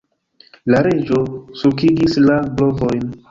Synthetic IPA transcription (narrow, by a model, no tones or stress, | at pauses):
laɾe̞d͡ʒo̞sukiɡislablo̞vo̞jn